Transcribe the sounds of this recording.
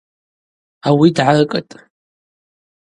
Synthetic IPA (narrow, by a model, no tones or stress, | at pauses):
awidʕarkʼətʼ